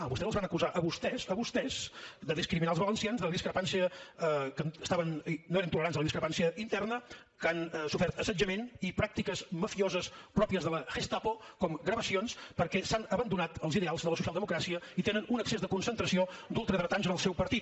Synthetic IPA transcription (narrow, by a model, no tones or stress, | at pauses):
βust̪ɛzəzβanəkuzaʔəβust̪ɛzəβust̪ɛz̥d̪əðiskɾiminalˠzβələnsianzðələðiskɾəpansiəkəst̪aβənnoeɾənt̪uləɾanzðələðiskɾəpansiəʔint̪ɛrnə | kansufɛɾt̪əsəd͡ʒəmenipɾak̚t̪ikəzməfiozəspɾɔpiəzðələxest̪apokɔmɡɾəβəsionspəɾkɛsanəβənd̪unat̪əlˠziðealˠzðələsusialˠd̪əmukɾasiəit̪enənunəksezðəkunsənt̪ɾəsiod̪ulˠt̪ɾəðɾət̪anzənəlˠsɛwpəɾt̪it̪̚